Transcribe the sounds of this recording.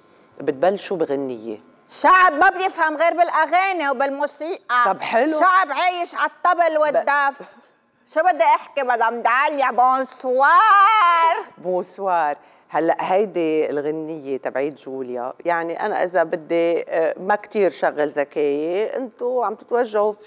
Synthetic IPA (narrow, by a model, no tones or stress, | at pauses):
bɪt̪̚balːʃuːbiɣɪnːɪjːḛ | ʃaʕbmabjɪfhamɣeːɾbɪlʔaɣeːnewbɪlmusiːʔaɑbħɪlʃuʃaʕbʕaːjɪʃʕat̪ˤːɑbɪlwɪd̪ːaf | ʃubɪd̪ːeʔɪħkibad̪ʕamd̪ʕaljaʕboswɑːɾˤbuswɑːɾˤ | halːaʔhajd̪ilɣɪnːɪjːet̪abʕiːd̪ʒuːlja̰jaʕniʔa̰na̰ʔɪ̰zabɪd̪ːemakt̪iːɾʃaɣːalzakeːjeʔɪ̰nt̪oʕamt̪ɪ̥t̪waʒːahf